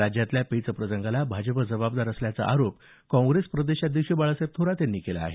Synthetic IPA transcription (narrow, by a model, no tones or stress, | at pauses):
ad͡ʑjat̪ljapejt͡səpɾəsəŋɡʱalabʱad͡ʑəpəd͡zəbab̚d̪aɾəsljat͡sə̰ʔaɾop̚ | kɔ̃ŋɡɾespɾəd̪eɕat̪ːiɕibaɭəsep̚t̪ʰoɾat̪janːiːkela̰ːɦe